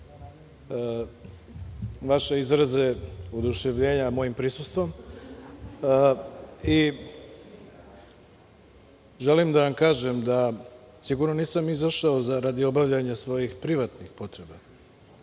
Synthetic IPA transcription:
ʋaʃe̞izɾaze̞ud̪uʃe̞ʋʎe̞ːɲamo̞jimpɾisust̪ʋo̞m | i | ʒelimd̪aʋamkaːʒe̞md̪a | siɡuɾno̞niːsamizaʃao̞zaɾad̪io̞baʋʎaɲesʋo̞jixpɾiʋat̪nixpo̞t̪ɾe̞ba

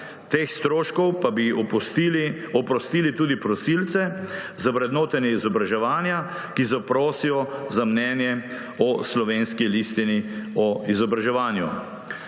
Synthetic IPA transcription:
t̪eːxst̪ɾoːʃkɔwpabiil | ɔpɾɔst̪iːlit̪uːd̪ipɾɔsiːlt̪sɛ | zaʋɾɛd̪noːt̪ɛnɛizɔbɾaʒɛʋaːnja | kizapɾoːsijɔzamnɛːnjɛ | ɔslɔʋeːnskilist̪iniɔizɔbɾaʒɛʋaːnjṵ

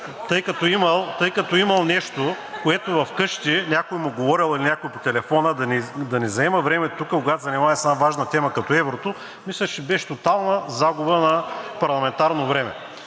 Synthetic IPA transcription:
t̪ɤjkɐt̪ɔimɐlˠt̪ɤjkɐt̪oimɐlˠnɛʃt̪o | koɛt̪ʊvɐfkɤʃt̪inʲakojmʊɡovɔɾilˠilinʲakojpo̥t̪ɛlɛfɔnəd̪ɐnid̪ɐnɛzɐɛmɐvɾɛmɛt̪ukəkoɡat̪zɐnimaɛsɛnavaʒnɐt̪ɛmɐkɐt̪ɔɛvɾot̪o | mislʲɐt͡ʃɛbɛʃt̪ot̪alˠnəzaɡʊbənɐpɐɾlˠɐmɛnt̪aɾnovɾɛmɛ̰

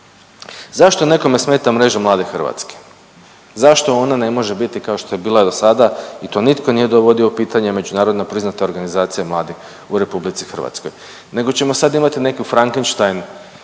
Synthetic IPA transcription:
zaʃt̪o̞ne̞ko̞me̞sme̞ːt̪amɾe̞ʒamlˠaːd̪exrʋa̰t̪ske̥ | zaʃt̪o̞onane̞mo̞ʒe̞bit̪ikao̞ʃt̪oje̞biːlˠaed̪o̞sad̪ait̪o̞ːnit̪ko̞nije̞d̪oʋo̞d̪ioupiːt̪aɲeme̞d͡ʑunaːɾo̞d̪nepɾiznat̪e̞o̞ɾɡanizaːt̪sijemlˠaːd̪ix | uɾe̞publit̪si̥xr̩ʋa̰t̪sko̞̰j | ne̞ɡo̞t͡ɕe̞mo̞sad̪imat̪ine̞kifɾaŋkenʃt̪ajn

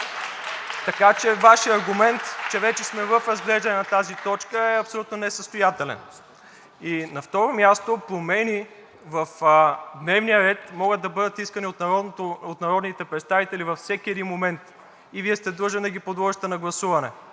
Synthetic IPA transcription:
t̪ɐkat͡ʃɛvaʃijɐɾɡʊmɛnt̪t͡ʃɛvɛt͡ʃɛsmɛvəfɾɐzɡlɛʒd̪ɐnɛnɐt̪azit̪ɔt͡ʃkəɛɐpsolʲut̪nonɛsəst̪ojat̪ɛlɛ̰n | inɐft̪ɔɾomʲjast̪opɾomɛni | vəfd̪nɛvnijəɾɛt̪mɔɡəd̪̚ːɐbɤd̪ət̪iskəniot̪nɾoot̪nɐɾɔd̪nit̪ɛpɾɛt̪st̪avit̪ɛlivɐfsɛkʲiɛd̪inmomɛnt̪ | iviɛst̪ɛd̪ɤʒənd̪ɐɡʲipod̪lˠɔʒət̪ɛnɐɡlˠɐsuvɐnɛ̰

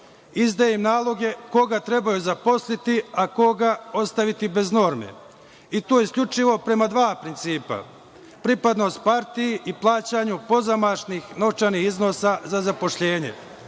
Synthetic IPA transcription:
izd̪ajimnaːlˠo̞ɡe̞ko̞ɡat̪ɾe̞bajuzapo̞slit̪iako̞ɡao̞st̪aʋit̪ibe̞zno̞ːɾme̞̰ | it̪oːjeskʎʲut͡ʃiʋo̞pɾe̞mad̪ʋaːpɾint̪siːpa̰ | pɾipad̪no̞ːst̪̚paɾt̪ijeʔiplˠaːt͡ɕaɲupo̞zamaʃniːxno̞t͡ʃanixizno̞sazazapo̞ʃʎe̞ːɲe̞̰

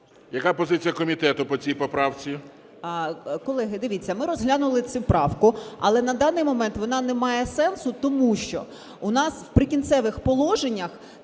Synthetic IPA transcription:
jɐkapɔzɪt͡sʲijɐkɔmʲit̪ɛt̪ʊpɔt͡sʲijpɔpɾɑwt͡sʲi | kɔlˠɛɦɪd̪ɪʋʲit͡sʲːɐmɪɾɔzɦlʲanʊlˠɪt͡sʲupɾɑwkʊɐ̰lˠɛnɐd̪ɑnɪjmɔmɛnt̪ʋɔnɑnɛmɑjɛsɛnsʊt̪ɔmuʃt͡ʃɔ̰ | ʊnɑswpɾɪkʲint̪sɛʋɪxpɔlˠɔʒenʲːɐx

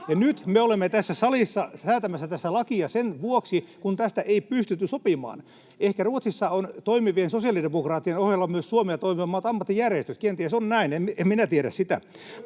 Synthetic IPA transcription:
jɑnyt̪meolemːet̪æsːæsɑlisːɑsæːt̪æmæsːæt̪æsːælɑkiɑsenʋuoksikunt̪æst̪æʔeipyst̪yt̪ːysopimɑ̰ːn | ehkæruot̪sisːɑont̪oimiʋiensosiɑlidemokrɑːt̪ːienohjelːɑmyøssuomeɑt̪oimiʋɑmːɑːt̪ɑmːɑt̪ːijærjest̪yt̪kent̪iesonnæinememminæt̪ieɾæ̰ssit̪æ̰

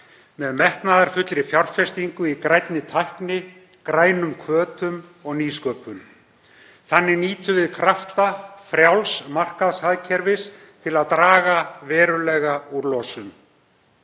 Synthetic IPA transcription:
mɛðmɛht̪naðaɾ̥fʏt̪lɾɪfjawr̥fɛst̪iŋkʏikɾajt̪nɪt̪ʰajhknɪ | kɾaːjnʏmkʰvœːt̪ʏmɔɣniːskœːpʏm | θanːɪniːt̪ʏvɪðkʰɾaft̪afɾjawlsmar̥kaðshaðcʰɛɾvɪs | t̪ʰɪlaðt̪ɾaːɣavɛːɾʏlɛɣauɾlɔːsʏm

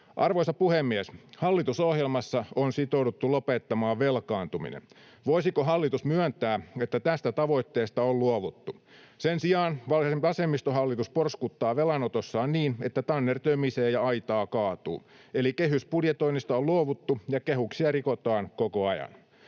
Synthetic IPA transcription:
ʔɑrʋoisɑpuhemːiæshɑlːit̪usohjelmɑsːɑonsit̪oudut̪ːulopet̪ːɑmɑːʋʋelkɑːnt̪umḭnḛn | ʋoisikoɦɑlːit̪usmyœnt̪æːet̪ːæt̪æst̪æt̪ɑʋo̞it̪ːeːst̪ɑolluoʋut̪ːu | sensiɑːnʋɑlemɑsemːist̪oɦɑlːit̪usporskut̪ːɑːʋelɑnot̪osːɑːnniːne̞t̪ːæt̪ɑnːert̪øymiseːjjɑɑit̪ɑːkɑːt̪ṵː | elikeɦyspudjet̪oinist̪ɑolluoʋut̪ːujɑkeɦuksiɑrikot̪ɑːnkokoɑjɑ̰n

